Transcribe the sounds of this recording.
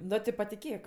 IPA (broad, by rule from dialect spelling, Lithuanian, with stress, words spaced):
ˈnoː tʲɪ pɐtʲɪˈkʲeːk